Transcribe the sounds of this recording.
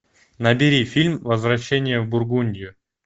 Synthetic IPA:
nəbʲɪɾʲifʲilʲmvəzvɾɐɕːenʲɪjəvbʊrɡunʲdʲɪjʊ

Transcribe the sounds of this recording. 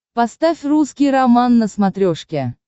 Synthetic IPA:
pɑst̪afʲruskʲijɾamɑnːəsmat̪ɾʲoʂkʲe

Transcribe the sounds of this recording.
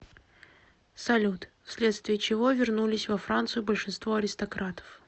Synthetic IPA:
sɐlʲut̪fsʲlʲe̞t̪st̪vʲɪət͡ɕɪvovʲɪrnulʲɪsʲvɐfɾant̪sɨjʊbəlʲʂɨnst̪voɐɾʲɪst̪ɐkɾat̪ə̥f

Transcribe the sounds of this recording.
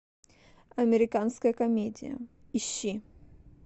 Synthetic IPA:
ɐmʲɛɾɪkanskɐjɐkɐmʲedʲḭjɐ̰iɕːi

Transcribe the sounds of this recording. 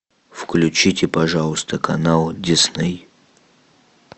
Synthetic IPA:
fklʲʊt͡ɕitʲɪpɐʐalˠəst̪əkɐnalˠdʲɪsnɛj

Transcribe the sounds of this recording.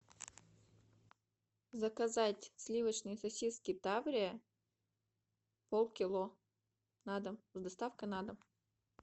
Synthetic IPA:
zəkɐzatʲsʲlʲivət͡ɕnɨjsɐsʲiskʲɪt̪avɾʲɪə | polˠkʲɪlˠo | nad̪əmzd̪ɐst̪afkənad̪əm

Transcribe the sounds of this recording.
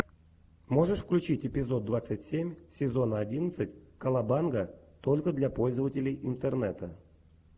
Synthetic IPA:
mo̞ʐɨʂfklʲʉt͡ɕitʲɪpʲɪzo̞d̪̚d̪ːvat̪sɨtʲsʲemʲsʲɪzo̞nəɐdʲinət̪sɨtʲkəlˠabanɡət̪o̞lʲkəd̪lʲapo̞lʲzəvətʲɪlʲɪjʔɪnt̪ərnɛt̪ə

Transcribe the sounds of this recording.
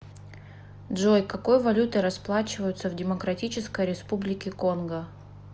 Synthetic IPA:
dʐojkɐko̞jvɐlʲut̪ɨɾɐsplˠat͡ɕɪvəjʊt̪səvdʲɪmɐkɾɐtʲit͡ɕɪskəjɾʲɪspublʲɪkʲɪko̞nɡə

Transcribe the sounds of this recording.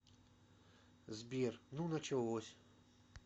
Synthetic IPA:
zbʲirnunɐt͡ɕɛlosʲ

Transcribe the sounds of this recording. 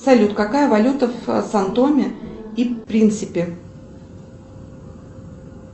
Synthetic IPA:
sɐlʲut̪kɐkajəvɐlʲut̪əfsɐnt̪omʲɪipɾʲint̪sɨpʲɪ

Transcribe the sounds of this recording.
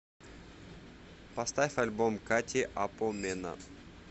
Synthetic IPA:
pɐst̪afʲfɐlʲbomkatʲɪʔapomʲɛnə̰

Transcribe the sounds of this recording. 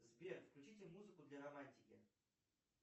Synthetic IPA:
zbʲerfklʲʉt͡ɕitʲɪmuzɨkʊd̪lʲɐɾɐmanʲtʲɪkʲɪ

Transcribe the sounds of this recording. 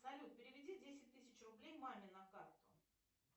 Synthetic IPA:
sɐlʲut̪̚pʲɪɾʲɪvʲɪdʲidʲesʲɪt̚ʲt̪ːɨsʲɪt͡ɕrʊblʲejmamʲɪnɐkart̪ʊ̰

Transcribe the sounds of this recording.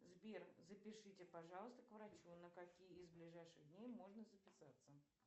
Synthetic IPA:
zbʲerzəpʲɪʂɨtʲɪpaʐɑlˠəst̪əkvɾɐt͡ɕunəkɐkʲijəɪzblʲɪʐajʂɨɣd̪ʲnʲejmo̞ʐnəzəpʲɪsat̪sːə

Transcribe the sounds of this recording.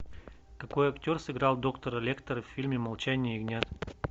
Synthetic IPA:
kɐkɔjɐkt̪ʲɔɾsiɡɾalˠd̪ɔkt̪oɾɛlʲɛkt̪əɾfːilʲmimɐlˠt͡ʃanʲiɛiɡnʲat̪

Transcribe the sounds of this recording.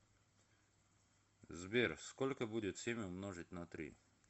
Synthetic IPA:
zbʲerskolʲkəbudʲɪt̪sʲemʲʊmnoʐɨt̚ʲnɐt̪ɾʲḭ

